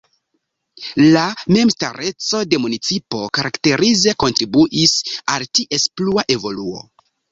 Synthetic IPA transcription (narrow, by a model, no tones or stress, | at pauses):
lame̞mstaɾe̞t͡so̞de̞munit͡sipo̞kaɾakte̞ɾize̞ko̞ntɾibuʔisaltiʔe̞spluaʔe̞vo̞luo̞̰